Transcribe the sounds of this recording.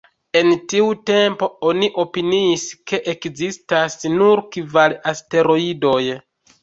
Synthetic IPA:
e̞ntiute̞mpo̞o̞niʔo̞piniːske̞ʔekzistasnuɾkivalaste̞ɾo̞ido̞j

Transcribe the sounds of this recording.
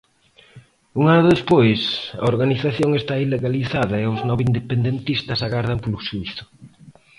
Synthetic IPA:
uŋaðʊðespojsɐ̰oɾɣaniθaθjoŋest̪aileɣaliθaðɐeʊznɔβind̪epend̪ent̪ist̪ɐsaɣaɾð̞ɐmpolʊʃuiθʊ̥

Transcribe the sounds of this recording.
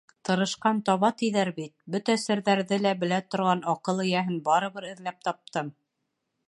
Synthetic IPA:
t̪ɤ̆ɾɤ̆ʃqɑnt̪ɒβɑt̪iðæɾbit̪̚bɵt̪æsɘ̆ɾðæɾðɘlæbɘ̆læt̪ŏɾʁɑnɑqɤlˠɘ̆jæɦɘnbɑɾɤ̆βɤɾɘ̆ðlæp̚t̪ɑp̚t̪ɤm

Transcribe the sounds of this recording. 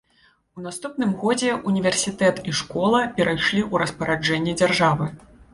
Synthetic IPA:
un̪ast̪upnɨmɣɔd͡zʲɛʔunʲivʲɛrsʲit̪ɛt̪iʂkɔlˠɐpʲɛɾʔajʂlʲiʔuɾɐspɐɾad͡ʐɛnʲːɛd͡zʲarʐavɨ

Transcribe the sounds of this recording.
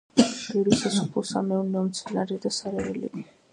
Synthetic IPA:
d̥̪iɾisasupʰusa̰mɛunɛɔmt̪sʰɛnaɾid̪asaɾɛɛlḭɡi

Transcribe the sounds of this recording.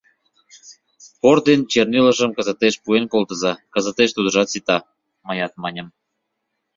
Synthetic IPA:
kord̪ent͡ɕerniləʃəmkəzə̆t̪eʃpuenkolt̪əzɑkəzə̆t̪eʃt̪ud̪ə̆ʒɑt̪sit̪ɑ | mɑjɑt̪̚mɑnʲə̆m

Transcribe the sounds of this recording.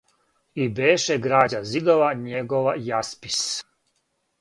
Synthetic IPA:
ibeːʃeɡɾaːd͡ʑazid̪oʋaɲeɡoʋajaspi̥s

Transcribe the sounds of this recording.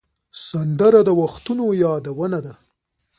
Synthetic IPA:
sand̪əɾad̪əwaxt̪unojɑd̪awənad̪a

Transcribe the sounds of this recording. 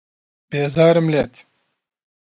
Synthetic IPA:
b̥eːzaːɾimleːt̪

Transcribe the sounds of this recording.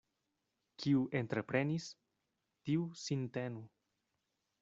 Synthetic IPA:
kʰiuʔe̞nt̪ɾepɾe̞nis | tiusintenu

